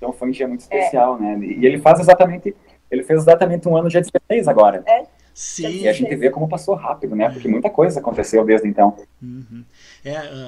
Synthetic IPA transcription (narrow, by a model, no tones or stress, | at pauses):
ẽt̪ɐ̃w̃fojũd͡ʒiɐmũj̃t̪ʊɪ̥spesiawnɛɪ̰elɪfazezat̪ɐmẽnt̪ɪ | elɪfezezat̪ɐmẽnt̪ɪũɐ̃nʊd͡ʒad̪iseejzaɡɔɾɐɛ | sɪaʒẽnt̪ɪvekõmʊpasoɦapid̪ʊnɛpoɾkɪmũj̃t̪ɐkojzɐakõnt̪esewd̪ezd̪ɪẽnt̪ɐ̃w̩̃ | ɛ